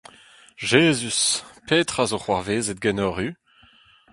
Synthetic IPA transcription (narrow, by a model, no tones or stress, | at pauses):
ʒeːzyspeːt̪χazoχwaʁveːzɛt̪̚ɡɛnɔʁy